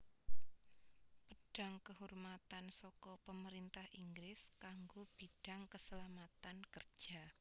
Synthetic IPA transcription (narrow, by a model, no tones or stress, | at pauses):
pəɖ̥a̤ŋkəhurmat̪ansɔkɔpəməɾint̪ahʔiŋɡɾɪskaŋɡob̥i̤ɖ̥a̤ŋkəsəlamat̪ankərd̥ʒ̥a